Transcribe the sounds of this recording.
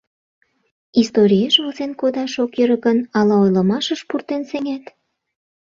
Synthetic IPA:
ist̪oɾʲieʃβolzenkod̪ɑʃokjøɾəɣənɑlɑojlə̆mɑʃəʃpurt̪enseŋæt̪

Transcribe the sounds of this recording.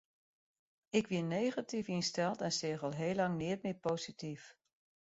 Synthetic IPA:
ɪkʋinejχatifinstɛlˠtɛnsɪːχɑlˠɦeːlːɑŋnɪətmɪpowzitif

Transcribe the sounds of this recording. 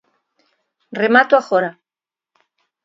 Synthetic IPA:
remat̪oaxoɾa

